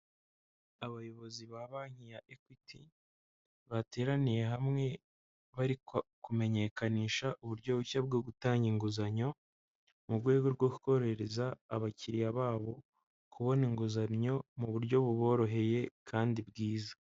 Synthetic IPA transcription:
aβajo̞βo̞ziβaβaŋ̥ijaʔekwitʰi | βate̞ːɾanije̞ɦamŋe̞ | βaɾikkume̞ɲe̞kaniːʃaʔuβuɾɟo̞βuçab̚ɡoɡutaːɲɡiŋɡuzaɲo̞ | muɾɡwe̞ːɡo̞ɾɡo̞ku̥ko̞ɾe̞ɾezaːβaciɾijaβaːβo̞ | kʰuβo̞niŋɡuzanɲo̞muβuɾɟo̞βuβo̞ːɾo̞ɦe̞je̞kʰaːndibɡiːzḁ

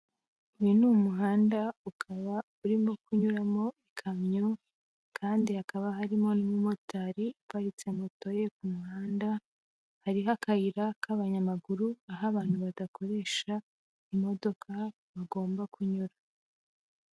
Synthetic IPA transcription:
ujinumuɦaːndaukʰaβa | uɾimokuɲuɾamo̞ikʰamɲo | kʰaːndihakaβaɦaɾimo̞numumotaɾiipaɾit͡se̞moto̞je̞kumuhaːnda | haɾiɦakaiɾakʰaβaɲamaɡuɾuaɦaβaːn̥huβadakʰo̞ɾe̞ːʃa | imo̞do̞kʰa | βaɡo̞ːmbakuɲuɾa

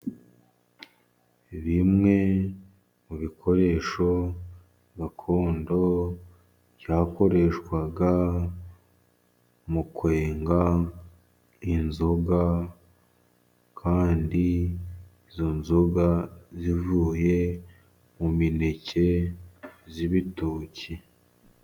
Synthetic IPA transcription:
βimŋe̞ | muβikʰo̞ɾe̞ːʃo̞ | ɡakʰo̞ːndo̞ | βjaːko̞ɾe̞ʃkwaɡa | mukwe̞ːŋɡa | inzo̞ɡa | kʰaːndiː | zo̞nzoɡazivuːje̞ | mumine̞ce̞ | ziβitoːci

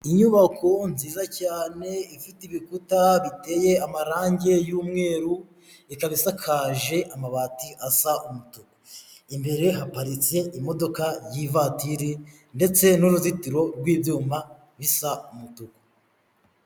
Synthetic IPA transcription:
iɲuβakʰo̞nziːzacaːne̞ifitiβikutaβite̞ːje̞amaɾaːɲɟe̞juːmŋe̞ːɾu | ikaβisakʰaːʒe̞ʔamaβaːtiʔasaʔumutuko̥imbe̞ɾe̞ɦapaɾit͡se̞ʔimo̞do̞kajivatiɾi | nde̞t͡se̞nuɾuzitiɾo̞ɾɡwiːvjuːma | βisaumutuko̥

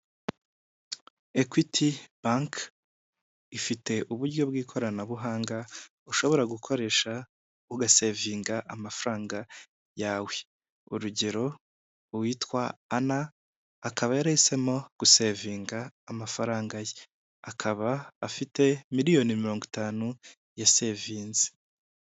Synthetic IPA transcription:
ekwitʰib̥aŋk | ifite̞ʔuβuɾɟo̞bɡiːkʰo̞ɾanaβuɦaːŋɡa | uʃo̞βo̞ɾaɡukʰo̞ɾe̞ʃa | uɡase̞ːviːŋɡaʔamafɾaːŋɡa | jaːwe̞ | uɾuɟe̞ɾo̞ | wiːtwaːnaː | kaβajaɾehise̞mo̞ɡ̥use̞viːŋɡaːmafaɾaːŋɡaje | akʰaβaːfite̞miɾijo̞nimiɾo̞ːŋɡitaːnu | jase̞viːnze̥

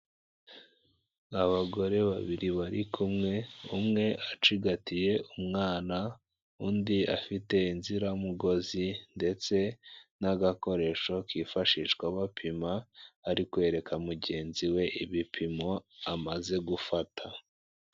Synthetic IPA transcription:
aβaɡo̞ɾe̞βa̰βiɾiβaɾikʰumŋe̞umŋe̞ʔat͡ʃiɡatije̞umŋaːna | uːndia̰fite̞inziɾaumuɡo̞zinde̞t͡se̞naɡako̞ɾe̞ʃo̞kiːfaʃiːʃkwaβapʰimaːɾikwe̞ːɾe̞kʰamuɟe̞ːnziwe̞ʔiβipʰimo̞amaze̞ɡufatʰa

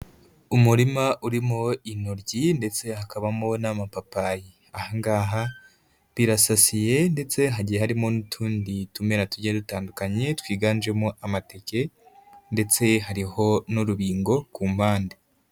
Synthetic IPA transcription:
umuɾimaʔuɾimoinoɾɟinde̞t͡se̞hakaβamo̞namapapaji | ahaŋɡaːɦa | βiɾasasije̞nde̞t͡se̞ɦaɟijehaɾimonutʰuːnditume̞ɾatuɾɟedutaːndukaɲe̞twiːɡaːnd͡ʒe̞moʔamate̞ke̞nde̞t͡se̞ɦaɾiho̞nuɾuβiːŋɡo̞kuːmbaːnde

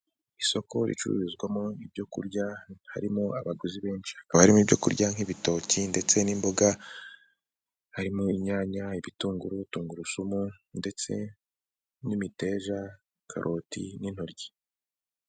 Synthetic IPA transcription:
iso̞ko̞ɾḭt͡ʃṵɾṵɾizɡwamoibɟo̞kṵɾɟaha̰ɾimuaβaɡuziβe̞ːnt͡ʃi̥hakaβahaɾimuibɟo̞̰kṵɾɟaŋ̥iβito̞ːcinde̞t͡se̞nimbo̞ɡa | haɾimuiɲaːɲaiβituːŋɡuɾutuːŋɡuɾusumunde̞t͡se̞ | nimite̞ːʒa | kʰa̰ɾʔo̞tḭnin̥hoɾɟi̥

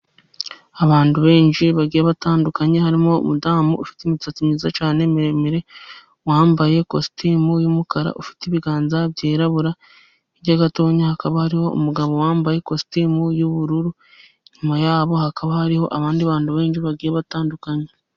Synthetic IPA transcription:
aβaːntuβe̞ːnʃiβaɡiːjaβataːndukaɲe̞haɾimo̞ṵmudaːmuʔufi̥teimit͡sat͡simɲiːzat͡ʃaːne̞miɾemiɾe̞ | waːmbaje̞kosi̥timujumukaɾa̰ʔufi̥tiβiɡaːnzabɟeːɾaβuɾa | iɾɟaɡato̞ːɲahakaβahaɾiho̞ṵmuɡaβo̞waːmbaje̞kosi̥timujuβuɾuɾu | ɲumajaːβo̞hakaβahaɾiho̞ʔaβaːndiaβaːntuβe̞ːnʃiβaɡiːjaβataːndukaɲe

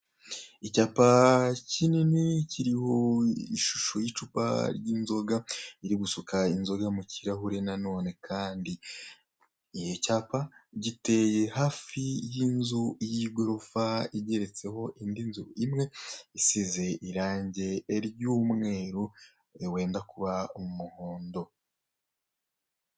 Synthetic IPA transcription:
icaːpacinineciɾiho̞iʃu̥ʃojit͡ʃupa̰ɾɟiːnzo̞ɡaiɾiɡusukainzo̞ɡamuciɾaɦuɾe̞nano̞ːne̞kʰaːndi | jo̞caːpaɟite̞jehaːfijinzujiɡo̞ɾo̞faiɟe̞ɾe̞t͡se̞ho̞ʔindinzuimŋe̞isize̞ʔiɾaːɲɟe̞ːɾɟuːmŋe̞ːɾu | we̞ːndakuβaomuhoːndo̞

